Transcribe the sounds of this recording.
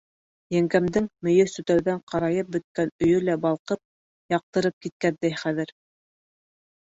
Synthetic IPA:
jæŋɡæmd̪ɘŋmɵ̆jɵsɵ̆t̪æwðæɴqɑɾɑjɤp̚bɵ̆t̪̚kænɵ̆jɵlæbɑlˠqɤp̚ | jɑq̚t̪ɤ̆ɾɤp̚kit̪̚kænd̪æjχæðɘ̆ɾ

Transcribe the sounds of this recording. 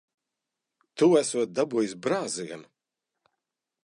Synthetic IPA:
t̪uæsuɔt̪̚d̪abuːjisbɾaːziɡan

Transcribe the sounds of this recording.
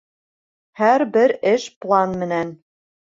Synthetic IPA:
hæɾbɘɾɘʃplˠɑnmɘ̆næn

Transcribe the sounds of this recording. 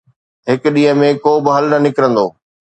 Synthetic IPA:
ɦɪk̆ɗĩːɦə̃mẽkoːbɪɦɐlnɐnɪkɾə̃nd̪o̰ː

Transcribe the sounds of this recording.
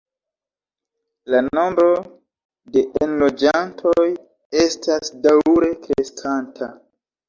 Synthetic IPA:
lano̞mbɾo̞ | de̞ʔenlo̞d͡ʒantʰo̞j | e̞stʰasdawɾe̞kɾeskʰantʰa

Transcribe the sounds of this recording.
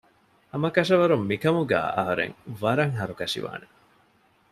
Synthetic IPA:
ɐmɐkɐʃ̬ɐʋɐɾumːikɐmuɡæ̰ːɐ̰ɦɐɾḛŋʋɐɾɐŋɦɐɾukɐʂḭʋa̰ːne

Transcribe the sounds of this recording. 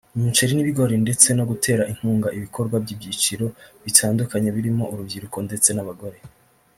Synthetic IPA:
imut͡ʃeɾiniβiɡo̞ɾinde̞t͡se̞no̞ɡutʰe̞ːɾaʔiŋ̥huːŋɡaʔiβikʰo̞ɾɡwabɟibɟit͡ʃiɾo̞βitʰaːndukaɲeβiɾimo̞ʔuɾubɟiɾuko̞nde̞t͡se̞naβaɡo̞ɾe̞

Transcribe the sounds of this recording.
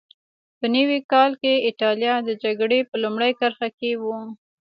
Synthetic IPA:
pənəwikɑlkeɪʈɑlijɑd̪əd͡ʒaɡɽepəlumɽəjkəɾxakewu

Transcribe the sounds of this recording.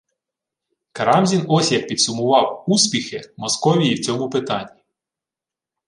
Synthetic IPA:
kɐɾɑmzʲinɔsʲjɐkpʲid̪sʊmʊʋɑwuspʲixɪmɔskɔʋʲijiwt͡sʲɔmʊpɪt̪ɑnʲːi

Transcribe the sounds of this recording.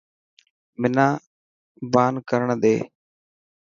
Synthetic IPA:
mɪnãː | baːnkəɾəɳd̪eː

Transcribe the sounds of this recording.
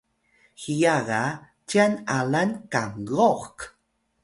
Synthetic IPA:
xijaɣa | t͡ʃianalankaŋɣoxk

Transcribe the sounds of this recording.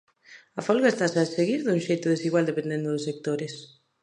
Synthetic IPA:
ɐfolɣaest̪asaseɣiɾðuŋʃejt̪ʊðesiɣwald̪epend̪end̪ʊðʊsek̚t̪oɾɪs

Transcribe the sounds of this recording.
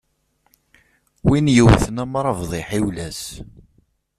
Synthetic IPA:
winjəwθənæmɾˤɑvðˤiħiwlæs

